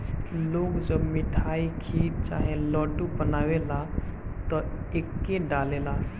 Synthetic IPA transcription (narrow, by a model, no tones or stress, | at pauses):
loːkd͡ʒəbmɪʈʰaikʰit͡ʃa̰ːɦelɔːʈubənaːwelat̪ɔekːeɖaːlela